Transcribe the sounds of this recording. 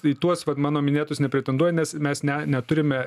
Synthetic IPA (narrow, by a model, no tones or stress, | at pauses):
iːt̪uɔsʋɐt̪mɑːnoːmʲɪnʲeːt̪ʊsnʲɛpʲɾʲɛt̪ʲɛnd̪uɔjɛnʲɛsmʲɛsnʲɛnʲɛt̪ʊɾʲɪmʲɛ